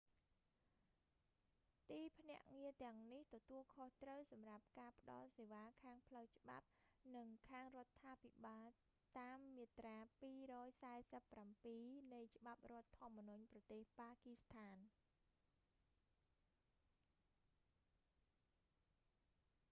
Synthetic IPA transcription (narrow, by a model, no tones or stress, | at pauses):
t̪iːpʰnɛ̆əʔŋiət̪ɛ̆əŋniht̪ɔt̪uəlkʰoht̪rəwsɑmrap̚kaːpə̆ɗɑ̰lseːʋaːkʰaːŋpʰləwt͡ɕə̆ɓa̰p̚nɨŋkʰaːŋrŏət̪ʰːaːpʰiɓaːl | t̪aːmːiət̪raːpiːrɔːjsaɛsəpːrampiːnɨjt͡ɕə̆ɓap̚rŏət̪ʰːŏəmːənuɲprɑt̪eːhpaːkist̪ʰaːn